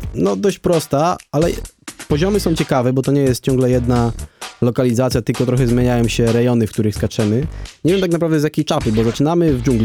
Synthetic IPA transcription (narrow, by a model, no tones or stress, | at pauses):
nɔd̪ɔɕt͡ɕpɾɔst̪aalɛ | pɔʑɔmɘsɔ̃w̃t͡ɕɛkavɛbɔt̪ɔɲɛjɛst̪̚t͡ɕɔ̃ŋɡlɛjɛd̪nalɔkalʲizat̪sʲjat̪ɘlkɔt̪ɾɔxɛzmʲjeɲajɔ̃wɕɛɾɛjɔnɘfk̚t̪uɾɘxskat͡ʂɛmɘɲɛvʲjɛmt̪aknapɾavd̪ɛzjakʲejt͡ʂapɘbɔzat͡ʂɘnamɘvd͡ʑuŋɡlʲi